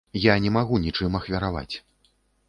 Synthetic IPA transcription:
janʲɛmaɣunʲit͡ʂɨmɐxvʲɐɾava̰t͡sʲ

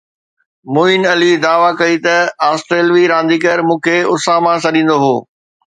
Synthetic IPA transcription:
moːɪnɐlid̪aːʋakɐit̪ɐaːsʈɾeːlʋiɾãːnd̪iːkəɾmũːkʰeʊsaːmãsɐɗĩːn̆d̪oɦoː

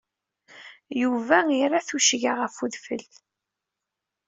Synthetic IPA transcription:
juvæiɾˤaθuʃʝaʁəfuðfə̰l

